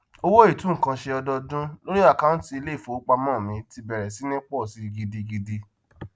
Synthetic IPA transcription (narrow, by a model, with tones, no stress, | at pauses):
o˧wo˦i˦˨tũ˨˦ŋ̩˦˨kã˧ʃe˧ɔ˧dɔ˧dũ˦lo˦ɾi˦a˦˨ka˦n̩˨ti˧i˧le˦i˦˨fo˨˦k͡pa˧mɔ̃ː˦˨mĩ˧ti˧bɛ˨ɾɛ˨si˨˦nĩ˦k͡pɔ˦˨si˨˦ɡi˧di˧ɡi˧di˧